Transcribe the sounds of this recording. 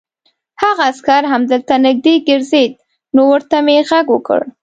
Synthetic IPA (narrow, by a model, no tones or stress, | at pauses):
haɣaːskaɾɦamd̪əlt̪anɪɡ̚d̪eɡɪɾzed̪̚ | nowəɾt̪ameɣaɡwəkə̰ɽ